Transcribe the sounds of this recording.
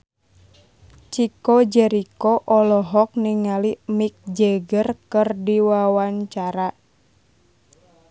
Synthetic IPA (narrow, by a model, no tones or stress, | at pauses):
t͡ʃikod͡ʒɛɾikɔʔɔlɔɦɔk̚niŋalimik̚d͡ʒəɡərkɨrdiwawaɲt͡ʃaɾa